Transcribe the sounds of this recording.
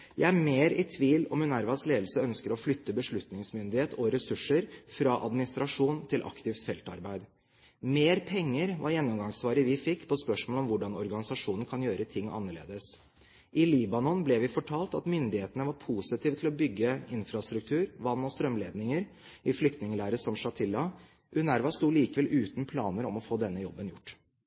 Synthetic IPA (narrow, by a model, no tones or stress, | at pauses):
jʔæɪæɾmeːɾɪt̪ʰʋiːlɔ̰mʉnæɾʋɑsleːd̪l̩səœnskəɾɔflʏt̪ːəbəʂɭʉt̪nɪŋsmʏnd̪ɪheːt̪ɔɾɛsʉʂːəɾfɾɑːʔɑ̰d̪mɪnɪst̪ɾɑʂuːnt̪ʰɪlʔɑ̰kt̪ɪft̪fɛlt̪ɑ̰ɾbæɪd̪ | meːɾpʰɛŋːəɾʋʔɑ̰ɾjɛnːɔmɡɑŋsʋɑːɾəʋɪfɪkːpʰɔspœʂmoːlɔmʋʊɖɑnɔɾɡɑnɪsɑʂuːnən̩kʰɑnjøːɾət̪ʰɪŋːɑ̰nːəɭḛːd̪əs | ʔɪliːbɑnɔnblɛʋɪfɔʈʰɑːlt̪ɑ̰t̪mʏnd̪ɪheːt̪ənəʋɑɾpʰusɪt̪ʰiːʋət̪ʰɪlɔbʏɡːəɪnfɾɑst̪ɾʉk̚t̪ʰʉːɾʋɑnːɔst̪ɾœmleːd̪nɪŋəɾ | ʔɪflʏk̚t̪nɪŋəlæːɾəsɔmʂɑt̪ʰɪlːɑ | ʔʉnæɾʋɑst̪uːliːkəʋɛlʔʉːt̪n̩pʰlɑ̰ːnəɾɔ̰mɔfoːd̪ɛnːəjɔ̰bːənjʊʈː